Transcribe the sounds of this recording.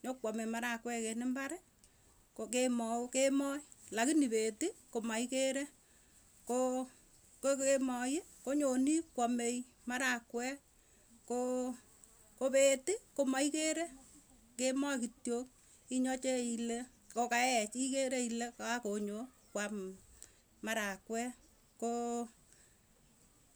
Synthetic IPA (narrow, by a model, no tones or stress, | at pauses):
ɲokwɔmemaɾakwɛkenɪmbaɾɛ | kokemɔokemɔjlakinipetikomaikeɾe | ko | kkemɔjekoɲonikwɔmej | maɾakwɛ | ko | kopeːtikomaikeɾe | kemɔkitjok̚ | iɲɔt͡ʃeile | kokaɛt͡ʃikeɾeilekaakoɲo | kwam | maɾakwɛ | ko